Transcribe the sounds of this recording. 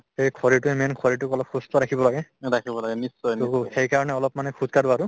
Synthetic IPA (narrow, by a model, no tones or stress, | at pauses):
ejkʰɔɹitʊɛmɛnkʰɔɹit̬ʊkɔlɔp̚xʰustɔɹakʰibɔlaɡɛɹakʰibɔlaɡɛnisːɔjnxejkaɹɔnɛɔlɔpmanɛkʰuzkaɾʊaɹʊ